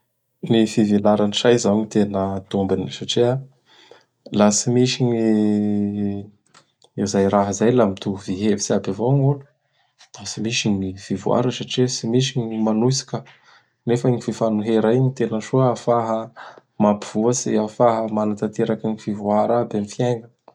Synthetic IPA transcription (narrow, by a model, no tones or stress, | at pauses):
nifivilaɾaniʃajzaɲit̪enət̪umbinsaʈ͡ʂia | lasimiʃiɲi | ewzajɾaɦəzajlamit̪uviɦevisiabavoŋul | lasimiʃiɲifivua̰ɾəsaʈ͡ʂisimiʃ̬iɲimanusi̥kə | nefəɲififanuɦeɾaiɲit̪enəʃuafaɦə | mapiv̥uəsiafaɦəmanat̪at̪eɾakaɲifivuaɾabemifjeŋɡə